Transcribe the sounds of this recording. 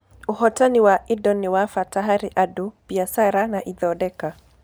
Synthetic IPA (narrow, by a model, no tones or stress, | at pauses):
uhɔtaniwaʔidɔniwafataɦaɾiʔadupiasaɾanaʔid̪ɔdɛka